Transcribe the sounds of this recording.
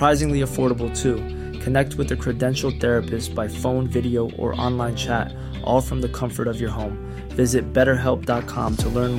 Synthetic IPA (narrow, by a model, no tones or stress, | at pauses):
ɹ̥aɪzɪ̃ŋliɨfɔɹɾəbl̩ˠtʰʉ | kʰɨnɛk̚t̚wɨðɨkʰɹ̥ɨdɛ̃nʃl̩ˠθɛɹɨpɨstsb̥aɪfõʊ̃nvɪɾioʊʔə̰˞ʔɑ̰̃nlãɪ̃nt͡ʃʰæ̰ɾ | ʔɔlˠfɹʌ̃mðɨkʰʌ̃ɱfə˞ɾʌvjə˞ɦõʊ̃m | vɪzɨt̚b̥ɛɾə˞ɦɛlˠp̚d̥ɑt̚kʰɑ̰̃mtʰəlɜ̃˞n